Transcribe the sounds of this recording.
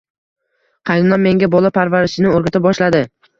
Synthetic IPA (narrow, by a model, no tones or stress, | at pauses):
qʰɑj̪ɪmlanmːe̞ŋɡʲabɒlˠapʰaɾvaɾɪʃɪnɪoɾɡʲat̪ʰabɒʃlad̪ɪ